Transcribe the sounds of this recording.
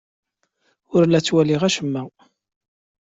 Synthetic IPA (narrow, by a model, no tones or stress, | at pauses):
ʊɾlæt͡sːwæliʁæʃəmːæ